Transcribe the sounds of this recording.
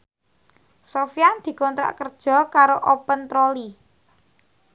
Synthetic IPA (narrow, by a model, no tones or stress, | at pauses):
sofijand̪̥i̤kɔnt̪ɾa̰ʔkərd̥ʒ̥ɔ̤kaɾoʔopənt̪ɾoli